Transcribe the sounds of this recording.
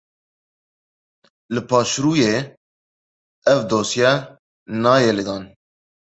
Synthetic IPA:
lɨpʰɑːʃɾuːjeː | ɛvd̪oːsjɛ | nɑːjelɨd̪ɑːn

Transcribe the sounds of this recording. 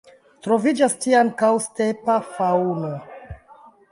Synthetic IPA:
tɾovid͡ʒastiankawstepafauno

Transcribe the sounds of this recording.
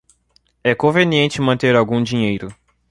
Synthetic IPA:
ɛkõveniẽnt͡ʃɪmɐ̃nt̪eɾawɡũd͡ʒiɲejɾʊ

